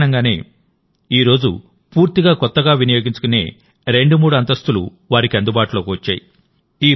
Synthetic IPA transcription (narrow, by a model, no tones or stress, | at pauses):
nɐŋɡaːne̞ː | iːɾo̞ːd͡ʒṵ | puːɾt̪iɡaːkɔt̪ːɐɡaːʋinɐjoːɡiɲt͡ʃu̥kune̞ː | ɾe̞ɳɖumuːɽuɐnt̪ɐst̪ulṵ | ʋaːɾikiɐnd̪ubaːʈulo̞ːkiʋɐt͡ʃːa̰ːji | iː